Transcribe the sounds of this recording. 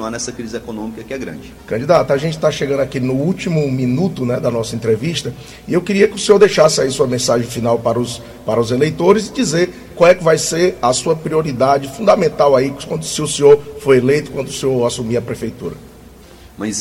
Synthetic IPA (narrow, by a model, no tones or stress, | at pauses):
anɛsɐkɾizɪɛkonõmikɐkɪɛɡɾɐ̰̃d͡ʒɪkɐ̃d͡ʒid̪at̪aʒẽnt͡ʃɪ̥t̪aʃeɡɐ̃d̪akinʊut͡ʃimʊmĩnut̪ʊnɛd̪ɐnɔsɐẽnt̪ɾeviʃt̪ɐ | iewkɪɾiɐkɪʊsẽoɾd̪ejʃasɪaisuɐmẽsaʒẽj̃finawpaɾɐʊs | paɾɐʊzelejt̪oɾɪzɪd͡ʒizeɾ | kwawɛkɪvajseɾɐsuɐpɾioɾid̪ad͡ʒɪfũnd̪amẽnt̪awaikwɐ̃nd̪ʊsɪʊsẽɲoɾfojelejt̪ʊ̥kwɐ̃nd̪ʊseoɾasumiɐpɾefejt̪ṵɾɐ̰ | mɐ̃js